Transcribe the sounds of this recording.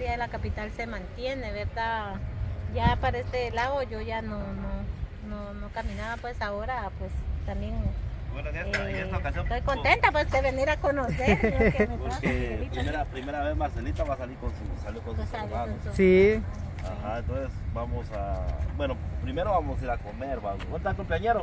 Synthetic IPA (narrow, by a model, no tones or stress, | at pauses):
ɾiaðelakapit̪alsemãnt̪jeneβeɾd̪a | japaɾaest̪elaoʝoʝanono | nonokamĩnaβapwesaoɾapwest̪ambjen | bwenoeet̪aokasjont̪ojkont̪ent̪apwesd̪eβeniɾakonoseɾpoɾkkepɾimeɾapɾimeɾaβesmaɾselit̪aβasaliɾkonsusaljokonssmanosi | axaent̪onsesbamosa̰bwenopɾimeɾoβamosiɾakomeɾβaowant̪aɾkomplaɲeɾo